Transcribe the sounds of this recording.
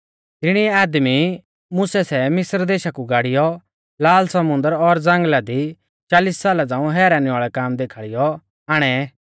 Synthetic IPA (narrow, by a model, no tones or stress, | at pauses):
t̪ɪɽ̃iɛaːd̪mi | mʊsɛsɛmɪsɾd̪eːʃakuɡaːɽɪjɔ | laːlsɐmʊ̃nd̪əɾɔɾd͡zɐ̃ŋɡlad̪i | t͡ʃaːliːssaːlad͡zãːũɦɛːɾanĩaːɭɛkaːmd̪eːkʰaːɭɪjɔ | aːɽ̃ɛ